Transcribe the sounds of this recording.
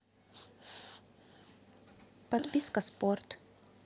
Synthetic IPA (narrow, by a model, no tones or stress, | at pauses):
pɐt̪pʲiskəsport̪